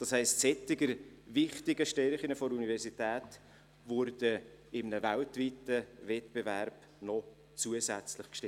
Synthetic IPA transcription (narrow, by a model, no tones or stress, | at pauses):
d̥ɑshɛɪstsɛtɪɡəɾvɪχtɪɡəʃtɛɾχɪnəfɔɾunivɛɾsitæːt | vʊɾd̥ə | ɪmnəvæltvitəvɛtb̥evæɾb̥ | nɔ | t͡suəzæt͡slɪχkʃtɪ